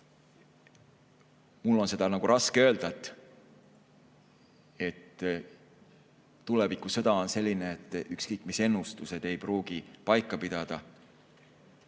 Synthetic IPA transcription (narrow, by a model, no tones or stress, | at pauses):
mulːo̞nse̞d̪̥ɑnɑɡ̥uɾʔɑskeø̞ːld̪̥ɑt̪ːˑ | e̞t̪ː | ulevikːˑuse̞d̪̥ɑo̞nse̞lʲːineet̪ːˑykskɤjkːˑmise̞nːust̪use̞d̪̥e̞jpruːɡ̥ipɑjkːˑɑpid̪̥ɑd̪̥ɑ